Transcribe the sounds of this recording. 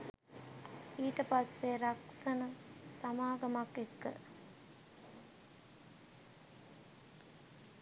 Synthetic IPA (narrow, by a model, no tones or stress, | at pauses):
iːʈəpasːeɾaksɐnəsamaːɡɐmakːekːə̰